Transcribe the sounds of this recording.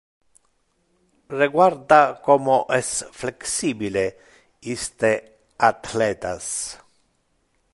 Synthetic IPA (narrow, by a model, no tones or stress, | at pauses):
reɡwaɾd̪akomoʔɛsfleksiːbile | ist̪e | at̪lɛt̪as